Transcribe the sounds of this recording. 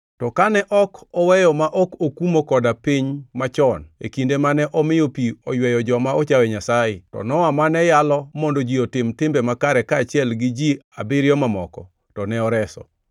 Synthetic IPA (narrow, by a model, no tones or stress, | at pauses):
tɔkanɛʔɔkɔwɛjɔmaʔɔkokumokɔdapiɲmat͡ʃɔnḛkindemanɛʔɔmɪjopiɔjwɛjɔd͡ʒɔmaɔt͡ʃawɛɲasajɪtɔ̰nɔwamanɛjalɔmɔndɔd͡ʒiotɪmtɪmbɛmakaɾɛkaːt͡ʃɪɛlɡɪd͡ʒiabɪɾjɔmamɔkɔ̰ | tɔnɛɔɾɛsɔ̰